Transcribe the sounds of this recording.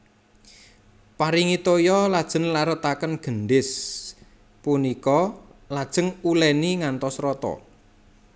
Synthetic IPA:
paɾiŋit̪ojɔlad̥ʒ̥ə̤ŋlaɾət̪akənɡ̥ənɖɪs | punikɔlad̥ʒ̥ə̤ŋulɛniŋant̪ɔsɾɔt̪ɔ̰

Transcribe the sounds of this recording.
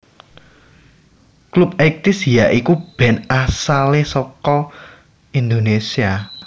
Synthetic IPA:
klup̚ɛk̚t̪isjaʔikub̥ɛ̤nasalesɔkɔ | ind̪onesia

